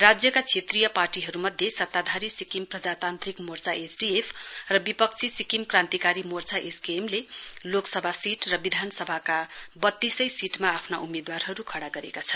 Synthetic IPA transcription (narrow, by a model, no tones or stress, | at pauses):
rad͡zjʌkat͡sʰet̪rijʌparʈiɦʌɾumʌd̪ʱjesʌt̪ːad̪ʱaɾisikimprʌd͡zat̪ant̪rikmort͡saʔesɖiepʰrʌbipʌk̚t͡sʰisikimkrant̪ikaɾimort͡sʰaʔeskemleloksʌbʱasiʈrʌbid̪ʱanʌsʌbʱakabʌt̪ːisʌjsiʈmaːpʰnaumed̪warɦʌɾukʰʌɽaɡʌɾḛkat͡sʰʌn